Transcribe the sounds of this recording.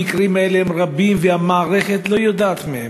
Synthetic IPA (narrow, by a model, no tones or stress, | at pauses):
ikʁimaeleemʁabimvehamaːʁeχet̪lo̞jod̪aːt̪mehe